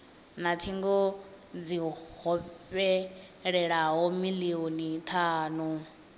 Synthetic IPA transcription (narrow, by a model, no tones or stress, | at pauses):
nat̪ʰiŋɡɔ | d͡ziɦɔɸɛ | ɺɛɺaɦɔmilionit̪ʰaːnu